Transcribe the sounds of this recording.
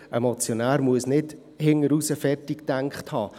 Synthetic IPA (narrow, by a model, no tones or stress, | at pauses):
ʔɛmot͡sjonæːɾmuəsnɪd | hɪŋəɾusəfɛrtɪktɛŋkχthɑː